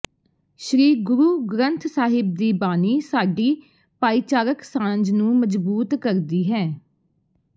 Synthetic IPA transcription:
ʃɾiːɡʊɾuːɡɾə̃nt̪ʰsaːɦɪb̚d̪iːbaːniːsaːɖiː | paːiːt͡ʃaːɾəksãːnd͡ʒnũːməd͡ʒbuːt̪kəɾd̪iːɦɛː

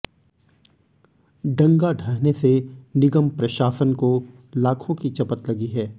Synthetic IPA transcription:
ɖɐ̃ŋɡaɖʱɐɦnesenɪɡəmpɾɐʃaːsənko | laːkʰõkit͡ʃɐpət̪lɐɡiɦɛː

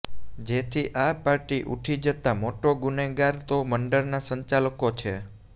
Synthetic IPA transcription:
d͡ʒet̪ʰiʔapaɾʈiʔuʈʰid͡ʒət̪amoʈoɡuneɡaɾt̪oməɳɖəɾnasəɲt͡ʃaləkot͡ʃʰe

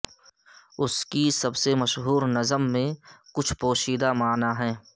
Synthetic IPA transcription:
ʊskisɐbsemɐʃɦuːɾnɐzəmːẽkʊt͡ʃʰpoːʃiːd̪amaːnaɦɛ̃ː

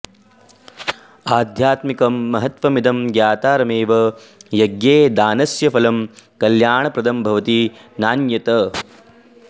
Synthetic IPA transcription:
aːd̪ʱjaːt̪mikɐmːɐɦɐt̪ʋɐmid̪ʱɐmɡjaːt̪aːɾɐmeːʋɐ | jɐɡjeːd̪aːnɐsjɐfɐlɐmkɐljaːɳɐpɾɐd̪ɐmbʱɐʋɐt̪inaːnjɐt̪ɐ

